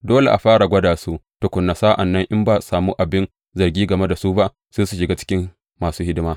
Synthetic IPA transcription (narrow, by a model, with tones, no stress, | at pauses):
doː˦le˨ʔa˨ɸaː˦ɽa˨ɡʷɐ˦daː˨su˦ʔtʊ˨kʷʊ˨nːa˨saː˦ʔa˨nːɐ˦ŋʔɪ˦mbaː˦˨saː˨muː˦ʔa˨bɪ˦n | zɐ˨rɡʲiː˦ɡɐ˨me˦da˨su˦ba˦ʔ | seː˦su˨ʃɪ˨ɡaː˦t͡ʃɪ̥˦kʲɪ˦m | maː˨suː˦hɪ˦dɪ˦maː˦